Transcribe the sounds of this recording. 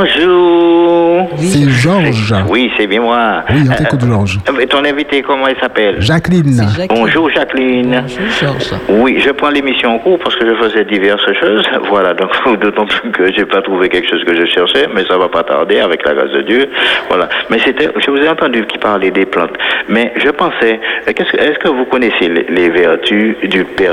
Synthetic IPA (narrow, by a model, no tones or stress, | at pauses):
ɔ̃ʒuːʁsɛʒɔʁʒwisɛbjɛ̃mwawiɑ̃t̪ɛ̃kut̪ʒɔʁʒt̪ɔ̃lɛ̃vit̪ekɔmɑ̃ilsapɛlʒaklinbɔ̃ʒuʁʒaklin | wiʒəpχɑ̃lemisjɔ̃ɑ̃kuʁpaʁsə̥kəʒəfəzɛd̪ivɛʁsʃoːzvwalad̪ɔ̃kd̪ot̪ɑ̃plykʰəʒepat̪χuvekɛlkə̥ʃozkəʒəʃɛʁʃɛmɛsavapat̪a̰ʁd̪eavɛkla̰ɡa̰sd̪ə̰d̪jøvwa̰lamɛset̪ɛʒəvuzɛɑ̃t̪ɑ̃d̪ykʲipaʁled̪eplɑ̰̃t̪mɛʒəpɑ̃sɛkɛskəɛskəvukɔneselelevɛʁt̪ʰyd̪ypɛʁ